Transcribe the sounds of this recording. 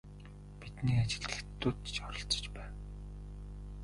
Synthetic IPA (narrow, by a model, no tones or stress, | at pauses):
pit̪niːat͡ɕɪ̆ɮɘ̆xt̪ːuːt̪t͡ɕɔɾɞ̆ɬt͡sɞ̥̆t͡ɕpæːn